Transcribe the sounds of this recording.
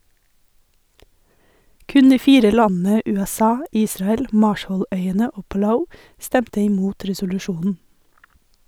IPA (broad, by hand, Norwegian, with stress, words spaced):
ˈkʉn ˈdiː ˈfiːɾə ˈlɑnn̩ə ˌʉːɛˈsɑː ˈiːsɾɑɛl ˈmɑːʃəˌlœʏənə ˈoː pɑˈlaʊ ˈstɛmtə ɪˈmuːt ɾɛsʊlʉˈʃuːnn̩